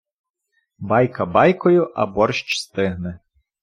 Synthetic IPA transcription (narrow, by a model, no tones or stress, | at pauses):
bɑjkɐbɑjkɔjʊʔɐ̰bɔrʃt͡ʃst̪ɪɦnɛ